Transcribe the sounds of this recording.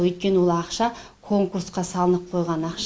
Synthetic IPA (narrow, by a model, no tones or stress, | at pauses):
wɵjt̪̚kʲe̞nəwo̞lˠɑqʃɑ | kʰo̞ŋkursqɑsɑlˠənəp̚qʰo̞jʁɑnɑqʃ